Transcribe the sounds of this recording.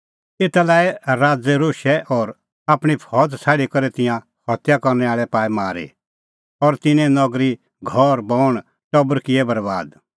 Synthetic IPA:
eːt̪alaːeɾaːd͡zɛɾoːʃɛʔɔːɾ | aːpɽ̃ipʰɔːt̪sʰaːɽikɔɾɛt̪ɪ̃jã | hɔt̪jakɔɾnɛaːɭɛpaːimaːɾḭ | ɔɾt̪ɪnɛ̃nɔɡɾi | ɡʱɔɾbɔːɽ̃ | t͡ʃɔbəɾkɪɛbɐɾba̰ːd̪

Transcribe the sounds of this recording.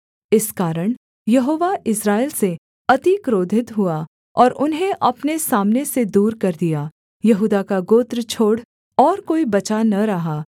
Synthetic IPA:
ɪskaːɾəɽ̃ | jɐɦoːʋaɪsɾaːɪlse | ɐt̪ikɾoːd̪ʱɪt̪ɦua | ɔːɾʔʊnɦẽʔɐpnesaːmnesed̪uːɾkɐɾd̪ijaː | jɐɦuːd̪akaɡoːt̪ɾt͡ʃʰoːɽ | ɔːɾkoːibɐt͡ʃanɐɾɐɦaː

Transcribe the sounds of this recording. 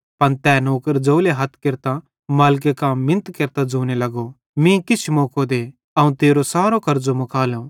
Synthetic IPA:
pɐnt̪ɛːnoːkəɾd͡ʒoːleɦɐt̪ʰkɪɾt̪a | maːlk̬ekaːmːɪ̃nt̪keɾt̪ad͡zoːnelɐɡo | mĩkɪt͡ʃʰmoːkod̪e | ɐũt̪eːɾosaːɾokɐɾd͡zomʊkaːlõ

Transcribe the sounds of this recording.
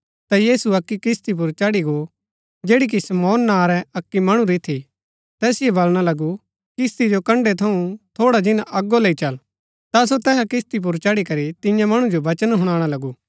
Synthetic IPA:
t̪ajiːsuɐkːikɪst̪ip̬ʊɾt͡ʃɐɽiɡo | d͡ʒeːɽik̬isɐmɔːnːaːɾɛɐkːimɐɽ̃ũɾit̪ʰi | t̪ɛːsɪebɐlɽ̃alɐɡu | kɪst̪id͡ʒokɐ̃ɳɖet̪ʰɐũt̪ʰoːɽad͡ʒɪnaʔɐɡːoleːit͡ʃɐl | t̪as̬ot̪ɛːsakɪst̪ip̬ʊɾt͡ʃɐɽikɐɾit̪ɪjãmɐɽ̃ũd͡ʒoʋɐt͡ʃənɦʊɽ̃ãːɽ̃alɐɡuː

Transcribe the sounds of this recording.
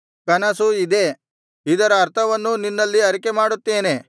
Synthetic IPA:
kɐnɐsuid̪e̞ | id̪ɐɾɐːɾt̪ʰɐʋɐnːuninːɐlːiɐɾikemaːɽut̪ːe̞ːne̞

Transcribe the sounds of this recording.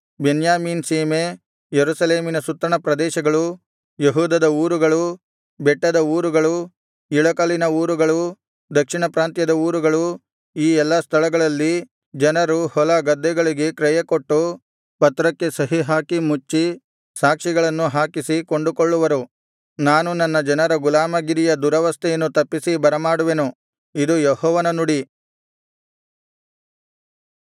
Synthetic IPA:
benjaːmiːnsiːme | jeɾusɐleːminɐsut̪ːɾɐɳɐpɾɐd̪ɛːʃɐɡɐɭu | jeɦuːd̪ɐd̪ɐuːɾuɡɐɭu | bɛʈːɐd̪ɐuːɾuɡɐɭu | iɭɐkɐlinɐuːɾuɡɐɭu | d̪ɐkʂiɳɐpɾaːnt̪jɐd̪ɐuːɾuɡɐɭu | iːɛlːɐst̪ʰɐɭɐɡɐɭɐlːi | d͡ʒɐnɐɾuhɔlɐɡɐd̪ːɛɡɐɭiɡekɾɛjɐkoʈːu | pɐt̪ɾɐkːe̞sɐɦiɦaːkimut͡ʃːi | saːkʂiɡɐɭɐnːuɦaːkisikoɳɖukoɭːuʋɐɾu | naːnunɐnːɐd͡ʒɐnɐɾɐɡulaːmɐɡiɾijɐd̪uɾɐʋɐst̪ʰɛjɐnːut̪ɐpːisibɐɾɐmaːɽuʋe̞nu | id̪ujɔhɔːʋɐnɐnuɽi

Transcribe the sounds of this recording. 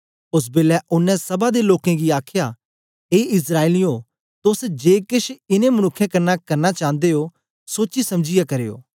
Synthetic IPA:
ʊs̬beːlɛʔʊnːɛ̃sɐbad̪eloːkẽɡiaːkʰja | eːɪs̬ɾaːeliõ | t̪ʊsd͡ʒeːkɪʃɪnẽmɐnʊkʰːjẽkɐɾnakɐɾnat͡ʃãːnd̪eɦo | soːt͡ʃisɐmd͡ʒɪjakɐɾeːo̰ː

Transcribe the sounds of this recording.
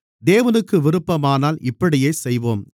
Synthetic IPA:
d̪eːʋɐnɯkːɯʋɪɾɯpːɐmaːnaːlʔɪpːɐɽɪjeːsɛjʋoːm

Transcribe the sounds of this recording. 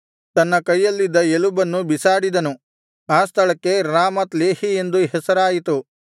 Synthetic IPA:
t̪ɐnːɐkɐjːɐlːid̪ːɐelubɐnːubisaːɽid̪ɐnu | aːst̪ʰɐɭɐkːe̞ɾaːmɐt̪le̞ːhie̞nd̪uɦɛsɐɾaːjit̪u

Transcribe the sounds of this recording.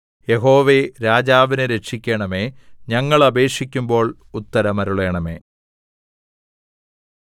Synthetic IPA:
je̞ɦo̞ːʋe̞ɾaːd͡ʑaːʋinɨɾe̞kʂikʲːeɳɐme̞ːɲɐŋːɐɭɐbe̞ːkʂikʲːumbo̞ːɭ | ut̪ːɐɾɐmɐɾuɭe̞ːɳɐme̞̰ː

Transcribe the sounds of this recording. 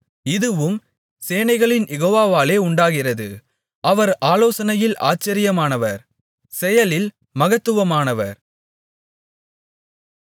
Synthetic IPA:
ɪðɯʋɯm | seːnɐɪɣɐɭɪnjɛɣoːʋaːʋaːleːʊɳɖaːɣɪrɐðɯ̰ | ʔɐʋɐɾaːloːsɐnɐjɪlʔa̰ːt͡ʃːɐɾɪjɐmaːnɐʋɐɾ | sɛjɐlɪl | mɐɣɐt̪ːɯʋɐmaːnɐʋɐɾ

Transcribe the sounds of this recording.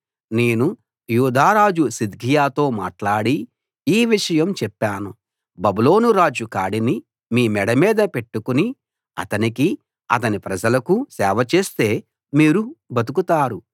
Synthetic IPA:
ne̞ːnu | juːd̪ʱaːɾaːd͡ʒusid̪ɡʱijaːt̪o̞ːmaːʈlaːɽiː | ʋiʂɐjɐmt͡ʃɛpːaːnu | bɐbulo̞ːnuɾaːd͡ʒukaːɽini | miːmɛɽɐmiːd̪ɐpe̞ʈːukuni | ɐ̰t̪ɐniki | ɐ̰t̪̬ɐnipɾɐd͡ʒɐlɐkusɛːʋɐt͡ʃe̞ːst̪e̞ː | miːɾubɐt̪ukut̪aːɾu

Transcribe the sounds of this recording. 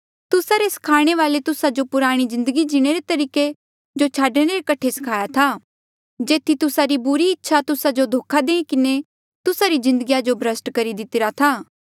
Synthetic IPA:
t̪ʊsaɾesɐ̥kʰaːɽ̃eʋaːlet̪ʊsad͡ʒopʊɾaːɽ̃izɪ̃nd̪əɡid͡ʒɪɽ̃eɾet̪ɐɾiːke | d͡ʒot͡ʃʰaːɖɽ̃eɾekɐʈʰːesɐ̥kʰaːjat̪ʰaː | d͡ʒeːt̪ʰit̪ʊsaɾibʊɾiɪtːʃʰat̪ʊsad͡ʒod̪ʱoːkʰad̪ẽːĩkɪne | t̪ʊsaɾizɪ̃nd̪əɡijad͡ʒobʱɾəsʈkɐɾid̪ɪt̪ɪɾat̪ʰaː

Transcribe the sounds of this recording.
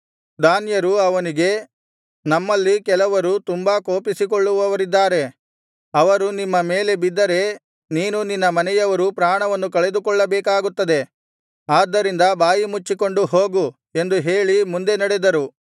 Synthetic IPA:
d̪aːnjɐɾuɐʋɐniɡe̞ | nɐmːɐlːikɛlɐʋɐɾut̪umbakoːpisikoɭːuʋɐʋɐɾid̪ːaːɾe̞ | ɐʋɐɾunimːɐme̞ːle̞bid̪ːɐɾe̞ | niːnuninːɐmɐnɛjɐʋɐɾupɾaːɳɐʋɐnːukɐɭe̞d̪ukɔɭːɐbɛːkaːɡut̪ːɐd̪e̞ | aːd̪ːɐɾind̪ɐbaːjimut͡ʃːiko̞ɳɖuɦoːɡu | e̞nd̪uɦe̞ːɭimund̪e̞nɐɽed̪ɐɾu

